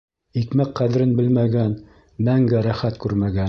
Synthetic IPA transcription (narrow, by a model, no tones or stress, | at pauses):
ikmæqqæðɘ̆ɾɘnbɘlmæɡæn | mæŋɡæɾæχæt̪kʉɾmæɡæn